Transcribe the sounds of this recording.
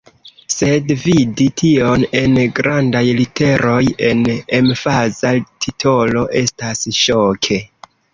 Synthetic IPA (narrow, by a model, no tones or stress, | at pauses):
se̞dviditʰio̞ne̞nɡɾandajlitʰe̞ɾo̞je̞nemfazatʰitʰo̞lo̞ʔe̞stasʃokʰe̞